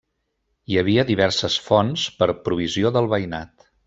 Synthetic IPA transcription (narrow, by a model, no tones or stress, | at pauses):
iəβ̞iəðiβ̞ɛɾsəsfɔnspəɾpɾuβ̞izioðəlˠβəjnat̪